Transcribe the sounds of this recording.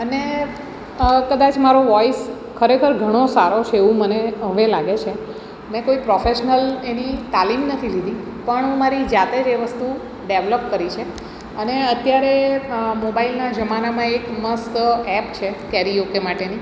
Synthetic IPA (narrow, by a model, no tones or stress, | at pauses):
əne | kəd̪at͡ʃmaɾoʋɔis | kʰəɾekʰəɾɡʱəɽ̃osaɾot͡ʃʰeeʋũməneɦəʋelaɡet͡ʃʰe | mɛ̃koipɾɔfeʃnəlenit̪alimnət̪ʰilid̪i | pəɳɦũmaɾid͡ʒat̪ed͡ʒeʋəst̪u | ɖeʋləpkəɾit͡ʃʰe | əneət̪jaɾemobailnad͡ʒəmanamãekməsɛp̚t͡ʃʰekɛɾijokemaʈeni